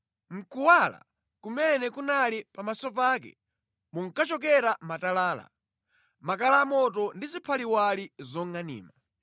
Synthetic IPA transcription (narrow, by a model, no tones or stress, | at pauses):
m̩kuwala̰ | kumɛnɛkunalipamasɔpaːk̬ɛ̰ | muŋ̩kat͡ʃɔk̬ɛɾamatalaːla̰ | makalaːmɔt̬ɔndizipʰaliwalizɔŋanḭːma